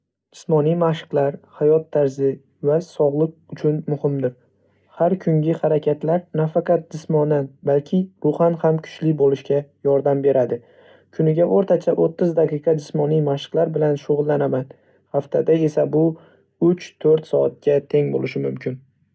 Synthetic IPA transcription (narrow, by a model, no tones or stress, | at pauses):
d͡ʒɪsmɒnijmaʃɨ̥qlˠaɾhajɒt̪ʰːaɾzɪ | vasɒʁlˠɨq̚ʊt͡ʃʰʊnmʊhɪmd̪ɪɾ | haɾkʰʊŋɡʲɪhaɾakʲʰat̪laɾnafaqʰɑt̪̚d͡ʒɪsmɒnːanbalkʲʰɪɾʊχɑnhamkʰʊ̥t͡ʃlɪbolɪʃkʲajɒɾd̪ambe̞ɾad̪ɪ | kʰʊnɪɡʲaʔoɾt̪ʰat͡ʃʰaʔot̪ʰːɪzd̪aqʰɨqʰɑd͡ʒɪsmɒnijmaʃɪ̥qlˠaɾbɪlanʃoʁʊlˠːanaman | haft̪ʰad̪ae̞sabʊ | ʊt͡ʃt̪ʰɵɾt̪sɒat̪̚ɡʲat̪ʰe̞ŋbolɪʃɪmʊmkʲʰɪn